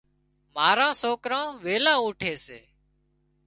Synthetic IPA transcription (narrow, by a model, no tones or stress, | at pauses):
maːɾãːsoːkɾãːʋeːlãːũːʈʰeːseː